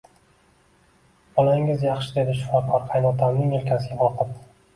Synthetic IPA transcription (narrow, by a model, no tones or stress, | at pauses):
bɒlaɪŋɪzjɑχʃɪd̪e̞d̪ɪʃʊ̥fɒqʰˠɒɾqʰɑjnɒt̪ʰamnɪŋelkʲʰasɪɡʲaɒqʰɨp̚